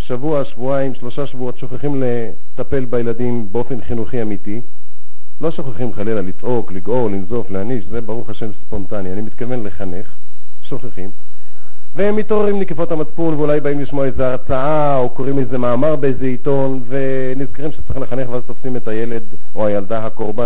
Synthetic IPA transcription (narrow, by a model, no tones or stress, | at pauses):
ʃavuaʃvuaimʃlo̞ʃaʃvuo̞t̪ʃo̞χeχimle | t̪ape̞lbajeladimbeo̞fe̞nχinuχiamit̪i | lo̞ʃo̞χaχimχalelalit͡sʔo̞kliɡo̞linzo̞fleaniʃze̞baʁuχaʃe̞mspo̞nt̪anianimit̪̚kave̞nleχane̞χ | ʃo̞χeχim | veemit̪oʁeʁimnekefo̞t̪hamat͡spunveulajbaimliʃmoaezeaʁt͡saa | okoʁimejzemaːmaʁbeejzeit̪o̞nve̞ | nizkaʁimʃe̥t͡sʁimleχaneχveazt̪ofsimet̪aje̞le̞d̪ | oajald̪aɦako̞ʁba